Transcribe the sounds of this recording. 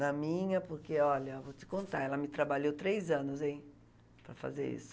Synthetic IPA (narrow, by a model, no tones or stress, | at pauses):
nɐmĩɲɐpoɾkeɔʎɐvowt͡ʃɪ̥kõnt̪aɛlɐmɪt̪ɾabaʎowt̪ɾejzɐ̃nʊzẽj̃ | pɾɐfa̰zḛɾḭsʊ̥